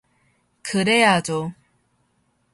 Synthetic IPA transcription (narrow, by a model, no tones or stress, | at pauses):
kɯɾejad͡ʑo